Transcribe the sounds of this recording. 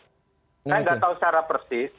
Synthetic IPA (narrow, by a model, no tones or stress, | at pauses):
ajŋɡat̪aɦut͡ʃaɾapɾəsɪs